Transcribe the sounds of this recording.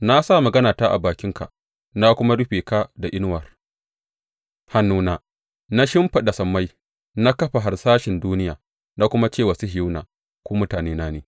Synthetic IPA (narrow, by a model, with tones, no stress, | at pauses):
na˦sa˦˨mɐ˨ɡɐ˦naː˨taː˦ʔa̰˨baː˨kʲɪ˦ŋka̰˨ | na˦kʷʊ˦ma˦ɽʊ˦ɸeː˨ka˦da˨ʔɪ˦n˦wɐ˨r | ha˨nːuː˦naː˨ | na˦ʃɪ˦mɸa˨ɗa˨sɐ˨mːa˦j | na˦kɐ˦ɸa˨ɦa˨rsaː˦ʃɪ˨nduː˦nɪ˦jaː˨ | na˦kʷʊ˦ma˦t͡ʃeː˦˨wɐ˨su˦ɦɪ˨ju˦na̰ː˨ | kʷoː˦mʊ˦taː˨neː˦naː˦neː˨